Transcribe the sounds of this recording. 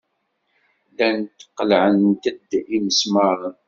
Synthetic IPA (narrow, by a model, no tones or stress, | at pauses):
lænt̪ːə̥qːəlʕənt̪əd̪iməsməɾˤən